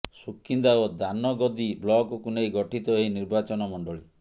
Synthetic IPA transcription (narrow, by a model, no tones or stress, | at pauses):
sukːind̪aod̪anɔɡɔd̪iblɔɡukunejɡɔʈʰit̪ɔɦeiniɾbat͡ʃɔnɔmɔɳɖɔɭi